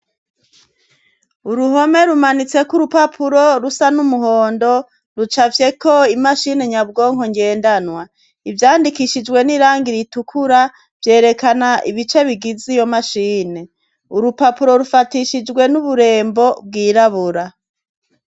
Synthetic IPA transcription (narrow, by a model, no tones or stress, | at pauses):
uɾuɦo̞me̞ɾumanit͡se̞kuɾupapʰuɾo̞ɾusanumuɦo̞ːndo̞ | ɾut͡ʃavje̞ko̞imaʃine̞ɲabɡo̞ːŋ̥o̞ŋɡe̞ːndanwa | ivjaːndikiʃid͡ʒɡwe̞niɾaːŋɡiɾitukʰuɾa | vje̞ːɾe̞kanaʔiβit͡ʃe̞βiɡizijo̞maʃiːne̞ | uɾupapuɾo̞ɾufatiʃid͡ʒɡwe̞nuβuɾe̞ːmbo̞b̚ɡiːɾaβuɾa